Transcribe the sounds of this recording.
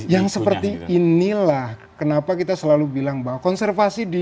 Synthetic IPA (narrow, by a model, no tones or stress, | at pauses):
jaŋsəpərt̪iːnilah | kənapakit̪asəlalubilaŋbawakɔnsɛrfasidi